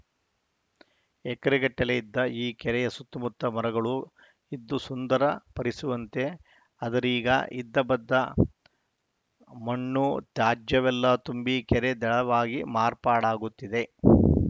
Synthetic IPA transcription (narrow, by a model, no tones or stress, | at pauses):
ɛkːɐɾiɡɐʈːɐlejid̪ːɐiːkɛɾɛjɐsut̪ːumut̪ːɐmɐɾɐɡɐɭu | id̪ːusund̪ɐɾɐpɐɾisuʋɐnt̪e̞ | ɐd̪ɐɾiːɡɐ̰id̪ːɐbɐd̪ːɐ | mɐɳːut̪jaːd͡ʒjɐʋɛlːɐt̪umbikɛɾed̪ɛɭɐʋaːɡimaːɾpaːɽaːɡut̪ːid̪e̞